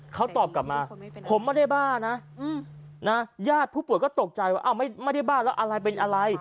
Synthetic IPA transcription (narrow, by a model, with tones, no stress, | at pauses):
kʰa˦˥wt̪ɔː˨˩p̚ka˨˩p̚maː˧pʰo˩˦mːaː˥˩jda˥˩jbaː˥˩ŋna˦˥˧ | na˦˥jaː˥˩t̪̚pʰu˥˩pu˨˩˦jkɔː˥˩t̪o˨˩k̚t͡ɕa˧jwaː˥˩ʔa˧˩wma˥˩jma˥˩jda˥˩jbaː˥˩ŋlɛː˦˥wʔa˧ɾa˧jp̬e˧nʔa˧ɾa˧j